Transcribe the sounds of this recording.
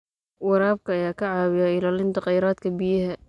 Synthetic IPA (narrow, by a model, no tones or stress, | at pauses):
wɑɾaːb̚kʰɐjaːkʰɐʕaːwɪjaɪlaːlɪnt̪ɪqɑjɾaːt̪kʰɐbɪjɦɛ